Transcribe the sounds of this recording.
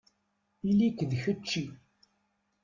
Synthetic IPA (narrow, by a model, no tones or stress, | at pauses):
ilːikəðçət͡ʃːi